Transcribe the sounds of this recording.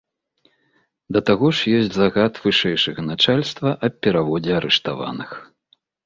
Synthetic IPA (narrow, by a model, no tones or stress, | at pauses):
d̪ɐt̪aɣɔʂjɔsʲt͡sʲzaɣat̪vɨʂɛjʂɐɣɐnat͡ʂalʲst̪vɐʔɐp̚ʲːɛɾavɔd͡zʲɛaɾɛʂt̪a̰va̰nɨx